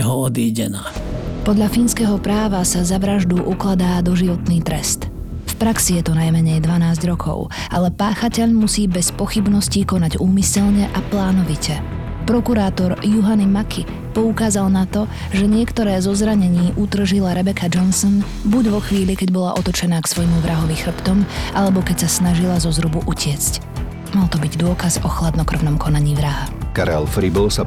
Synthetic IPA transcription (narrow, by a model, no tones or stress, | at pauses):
ɦɔɔd̪iːɟɛ̰naːpɔd̪ʎafinskɛːɦɔpɾaːʋasazaʋɾaʒd̪uʔuklad̪aːd̪ɔʒiʋɔt̪niːt̪ɾɛst̪ | fpɾaksijɛt̪ɔnajmɛɲɛjd̪ʋanaːzɟɾɔkʰɔ̰ʊ | alɛpaːxacɛʎmusiːbɛspɔxibnɔsciːkɔnaɟuːmisɛʎɲɛʔaplaːnɔʋicɛ | pɾɔkuɾaːt̪ɔɾjuɦanimakʰi | pɔukaːzalnat̪ɔ | ʒɛɲɪɛkt̪ɔɾɛːzɔzɾaɲɛɲiːʔud̪r̩ʒilaɾɛbɛkʰad͡ʒɔnsɔn | buɟʋɔxʋiːʎikɛɟbɔla̰ʔɔt̪ɔt͡ʃɛnaːksʋɔjmuʋɾʔaɦɔʋixr̩pt̪ɔmʔalɛbɔkɛcsasnaʒilazɔzɾubuʔucɪɛt͡sc | malt̪ɔbiɟd̪ʊɔkazɔxlad̪nɔkr̩ʋnɔmkʰɔnaɲiːʋɾaɦakaɾɛ̰lfɾibɔʊsa